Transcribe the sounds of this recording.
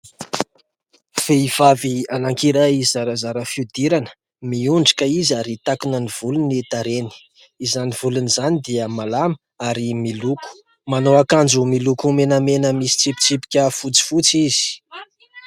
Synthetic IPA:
feiv̥avianaŋkiɾaizaɾazaɾəfiud̪iɾanə̥ | miuɳɖ͡ʐi̥kaizaɾit̪akunəniv̥ulunit̪aɾeni̥ | izanivulunizanid̪iəmalamə | aɾimiluku̥ | manowakand͡zumilukumenəmenəmisi̥t͡sipi̥t͡sipi̥kʲəfut͡si̥fut͡siz̥i̥

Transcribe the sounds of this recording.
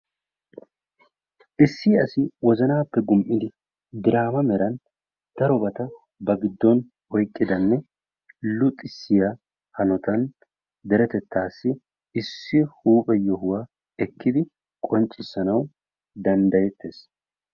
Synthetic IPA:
ʔɪsːɪːɐsɪwɔzɐnaːpːɛɡʊmʔɪd̪ɪ | d̪ɪɾaːmɐmɛɾɐn | d̪̥ɐɾɔbɐt̪ɐ | bɐɡɪd̪ːɔn | ɔjkʼːɪd̪ɐnːɛ | lʊt̪ʼɪsːɪja | hɐnɔt̪ɐn | d̪ɛɾɛt̪ɛt̪ːaːsːɪ | ɪsːɪhuːpʼɛjɔɦʊwaː | ɛkːɪd̪ɪ | kʼɔnt͡ʃʼːɪsːɐnɐw | d̪ɐnd̪ɐjɛt̪ːeːs

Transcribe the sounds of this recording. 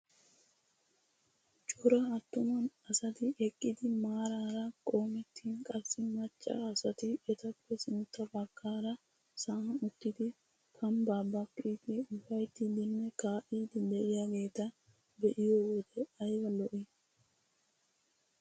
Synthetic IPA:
t͡ʃʼɔɾɐːt̪ːʊmɐnɐsɐt̪ɪɛkʼːɪd̪ɪmaːɾaːɾɐkʼo̞ːmɛt̪ːiːnkʼɐsɪmɐt͡ʃʼːa̰ːsɐt̪ɪɛt̪ɐkːɛsɪnt̪ːɐbɐkːaːɾɐ | saɐnʊt̪ːɪd̪ɪ | kʰɐmbaːbɐkʼːiːt̪ɪʊbɐjt̪ːɪd̪ɪnːɛkaːʔiːd̪ɪd̪ɛʔɪjaɡe̞ːt̪ɐ | bɛʔɪjoːwɔd̪ɛɐjwɐlɔʔɪ

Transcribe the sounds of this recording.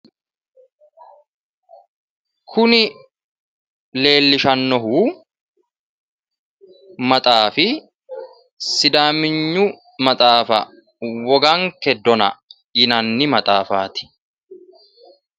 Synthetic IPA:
kʰʊnɪ | le̞ːlːɪʃɐnːɔɦuː | mɐt̪ʼaːfɪ | sɪd̪aːmɪɲːʊ | mɐt̪ʼaːfɐ̰ | wɔɡaŋkɛd̪ɔnɐ̰ | jɪnɐnːɪmɐt̪ʼaːfaːt̪ɪ̥

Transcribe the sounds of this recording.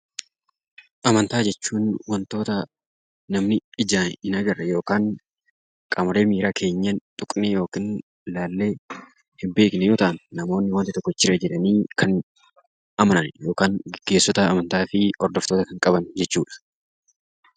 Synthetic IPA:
ʔɐmɐnt̪aːd͡ʒɛt͡ʃːuːnwɐnt̪o̞ːt̪ɐ | nɐmnɪɪd͡ʒaːnɪnɐɡɐrːɐjo̞ːkaːŋ | kʼɐmɾe̞ːmiːɾaːkʰe̞ːɲːɐnt̪ʼʊkʼnɛjo̞ːkiːn | laːlːe̞ː | hɪmbe̞ːknɛjoːt̪ɐʔɐnːɐmo̞ːnːɪwɐnt̪ɪt̪ɔkːɔɪt͡ʃːɪɾɛd͡ʒɛᶑɐniːkʰɐn | ʔɐmɐnɐnjo̞ːkaːŋɪɡ̥e̞ːsːɔt̪ɐːmɐnt̪aːfɪɔɾd̪ɔft̪oːt̪ɐkɐŋkʼɐbɐnd͡ʒɛt͡ʃːuːᶑɐ̥

